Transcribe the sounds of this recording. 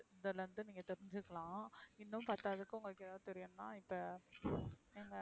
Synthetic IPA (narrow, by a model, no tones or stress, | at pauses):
ɪnd̪ɐlʋɐnd̪ɯniːŋɡɐt̪ɛɾɪɲd͡ʒɯkːɐɭãːɪnːɯ̃mpɐɾt̪aːðɯkːɯʊŋɡɐɭɯkːɯɛðaːðɯt̪ɛɾɪjɐnnãːɪpːɐ | ɛŋɡɐ